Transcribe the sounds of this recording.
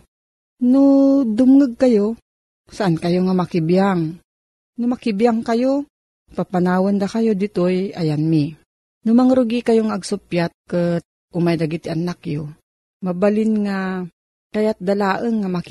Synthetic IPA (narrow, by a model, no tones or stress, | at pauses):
nod̪ʊmŋɨɡ̚kɐjo | saʔankɐjoŋamakɪbjaŋ | nʊmakɪbjaŋkɐjo | papanaːwand̪akɐjod̪ɪt̪ojʔajanmi | nʊmaŋɾʊɡikajoŋaːɡsʊpjat̪̚kɨt̪̚ | ʔʊmajd̪aɡit̪ɪʔanakjo | mabalɪnŋa | kajat̪̚d̪alaːʔəŋːamak